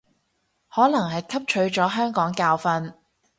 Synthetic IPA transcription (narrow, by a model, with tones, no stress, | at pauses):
hɔː˨˥nɐ˨˩ŋhɐ˨jkʰɐ˥p̚t͡ʃʰɵ˨˥ɥt͡ʃɔː˨˥ɦœː˥ŋkɔː˨˥ŋkaː˧wfɐ˧n